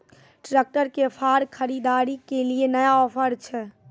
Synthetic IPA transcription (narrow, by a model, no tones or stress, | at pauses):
ʈɾek̚ʈəɾkepʰaɾkʰəɾid̪aɾikelienəjaɔːpʰəɾt͡ʃʰɛ